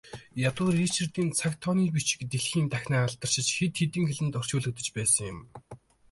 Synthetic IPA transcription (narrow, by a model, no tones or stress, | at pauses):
jat̪ʊːriːt͡ɕɪ̆rt̪iːnt͡sʰakt̪ʰɔniːpit͡ɕɪ̥̆kt̪eɮxiːnt̪æxʲnæːaɮt̪ə̆r̥ʃɪ̆t͡ɕxet̪xet̪ɘ̆ŋxeɮɘ̆nt̪ɔr̥t͡ɕʊːɮɵ̆k̚t̪ə̆t͡ɕpæːsə̆ŋjʊm